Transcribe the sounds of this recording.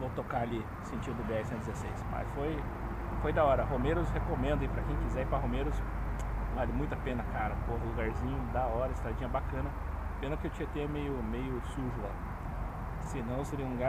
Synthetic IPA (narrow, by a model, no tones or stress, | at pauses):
vowt̪okaali | sẽnt͡ʃĩd̪ʊbeɛhɪsẽt̪d͡ʒʲɪzesejsmɐ̰sfoj | fojd̪aɔɾɐɦomeɾʊshekomẽnd̪ʊɐipɾɐkẽj̃kizɛipɾɐɦomeɾʊs | valɐmũj̃t̪ɐpẽnɐkaɾɐkoɦɐluɡaɾzĩɲʊd̪ɐɔɾɐɪst̪ɾad͡ʒĩɲɐbakɐ̃nɐ | pẽnɐkɪewt͡ʃĩɲɐt̪emejʊmejʊsuʒʊa̰ | sɪnɐ̃w̃seɾiũluɡa